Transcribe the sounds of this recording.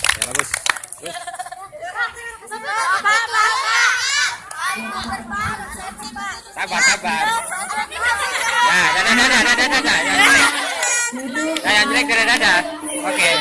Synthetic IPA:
sabasaba | dadadadadadadadadajad͡ʒɾɛk | sajaɲd͡ʒɾɛk̚dadadada | oke

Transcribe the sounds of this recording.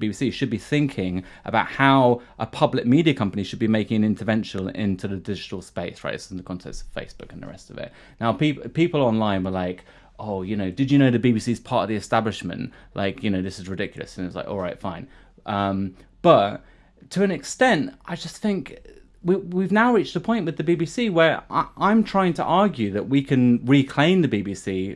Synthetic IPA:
bibisiʃɨd̚biθɪ̃ŋkʰɪ̃ŋ | ʔə̰baʊt̚haʊʔəpʰʌblɪk̚midiɨkʰʌ̃mpəniʃɨd̚bimeɪkɪ̃ŋɨ̃nɪ̃ntʰəvɛ̃nʃə̃n̩ɪ̰̃ntʰʉðədɪd͡ʒɨtl̩ˠspeɪsɹa̰ɪsn̩ðəkʰɒ̃ntʰɛ̰sʌ̥v̥fḛɪsb̥ʊkn̩ðə̰ɹɛ̰stʌ̰vɪ̰ʔ̚ | naʊpippiˑpəl̩ˠɒ̃nlãɪ̃nwə˞laɪk | ʔoʊjɨnoʊdɨd͡ʒɨnoʊðɨbibisiz̥pʰɑˑtəvðiɨstablɨʃmə̰̃nʔlʔa̰ɪkʰjɨñoʊðɪsɨzɹɨdɪkʰjl̩ˠə̰sə̃nɪtslaɪkɔ̰lˠɹaɪtfãɪ̃n | ʔʌ̃m | b̥ʌtʰ | əɨ̃nɨkstɛ̃ntaɪd͡ʒʌsθɪ̃ŋk | wiwivnaʊɹiˑt͡ʃtəpʰɔ̃ɪ̃nʔwɨðɨbibisiwə˞a̰ʔãɪ̃mtʰɹ̥aɪɪ̃ŋtʰə̰ʔɑɹɡjʉðəʔwikʰɨ̃nɹikʰl̥ẽɪ̃mðɨbibisi

